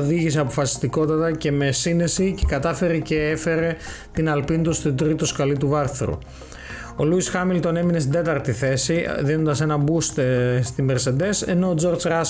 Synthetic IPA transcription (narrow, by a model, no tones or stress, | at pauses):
ðiʝiseɐpo̞fɐsi̥st̪iko̞t̪ɐt̪ɐce̞me̞sine̞sice̞kɐt̪ɐfe̞ɾece̞efe̞ɾe̞ | t̪inɐlpint̪ust̪id̪ɾit̪oskɐlit̪̬uvɐɾθɾṵ | o̞luisxɐmilt̪o̞ne̞mines̬t̪ind̪e̞t̪ɐɾt̪iθe̞siðino̞nd̪ɐse̞nɐbust̪st̪imbeɾse̞nd̪e̞se̞̰no̞ːd͡zo̞ɾzɾɐs